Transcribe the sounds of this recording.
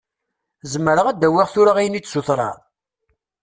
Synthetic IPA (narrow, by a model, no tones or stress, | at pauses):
zəmːəɾəʁæd̪æwiʁθʊɾaʁijnit͡sːsuθɾˤɑ̰ɾˤ